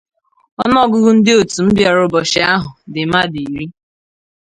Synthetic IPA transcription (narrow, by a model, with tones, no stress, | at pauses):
ɔ˦nɔ˦˨ɡʊ˦ɡʊ˦n̩˦dɪ˦o˨tu˨m̩˦bja˨ɾʊ˦bɔ˨ʃɪ˦a˦ɦʊ˨dɪ˨ma˦di˨i˨ɾi˦